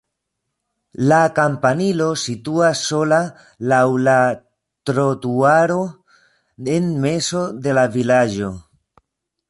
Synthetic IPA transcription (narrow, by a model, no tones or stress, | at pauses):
lakampanilo̞situasːo̞la | lawla | tɾotuaɾo̞ | enme̞so̞de̞lavilad͡ʒo̞